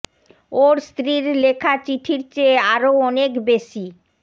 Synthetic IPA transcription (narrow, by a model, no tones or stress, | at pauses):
oɾst̪ɾiɾlekʰat͡ɕiʈʰiɾt͡ɕeaɾoɔnekbeʃi